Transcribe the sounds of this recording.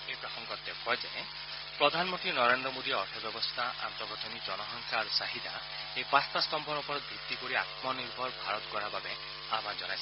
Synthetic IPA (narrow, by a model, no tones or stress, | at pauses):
epɾɔsɔŋɡɔt̪ːekɔjd͡ʒae | pɾɔd̪ʱanɔmɔnʈ̪inɔɾend̪ɾɔmod̪iɔʈʰɔbjɔbɔst̪ʰaʔa̰nt̪ɔɡɔʈʰɔnid͡ʒɔnɔɦɔŋkʰaɾusaɦid̪a | epast̪ast̪ɔmpɔɾɔpɔɾɔb̪ʱit̪ːikoɾia̰t̪mɔniɾbʱɔɾbʱaɾɔt̪ɔkɔɾababe | amʱãd͡ʒɔnaj